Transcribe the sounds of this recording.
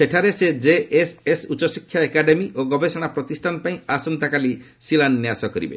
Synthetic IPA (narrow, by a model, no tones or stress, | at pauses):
seʈʰaɾesed͡ʒeʔesesut͡ʃɔsikʰːjaekaɖemioɡɔbesaɽ̃apɾɔt̪isʈʰanpaĩasɔnt̪akali | silanːjasɔkɔɾḭbḛ